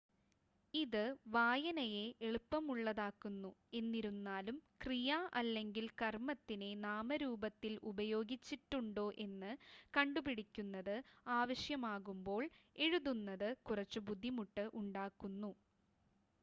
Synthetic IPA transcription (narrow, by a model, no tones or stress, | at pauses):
iðɨʋaːjɐnɐje̞ʔeɭupːɐmuɭːɐðaːkːunːue̞nːiɾunːaːlumkrijaʔɐlːe̞ŋɡilkɐrmɐt̪ːine̞naːmɐɾuːbɐt̪ːilubɐjo̞ːɡit͡ɕːiʈːuɳɖo̞ːʔe̞nːɨkɐɳɖubiɽikʲːunːɐðɨaːʋɐɕjɐmaːɣumbo̞ːɭeɻuðunːɐðɨkurɐt͡ɕːubud̪ʱːimuʈːɨʔuɳɖaːkːunːu